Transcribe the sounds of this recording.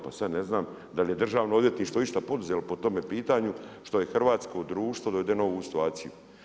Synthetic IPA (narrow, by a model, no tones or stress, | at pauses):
pasad̪neznaːm | d̪alje̞d̪r̩ʒaːʋnood̪je̞t̪niːʃt̪ʋo̞iʃt̪apo̞d̪uzelopot̪o̞mepiːt̪aɲuʃt̪o̞je̞xr̩ʋaːt̪sko̞d̪ɾuːʃt̪ʋod̪oed̪eno̞ʋusi̥t̪uaːt̪siju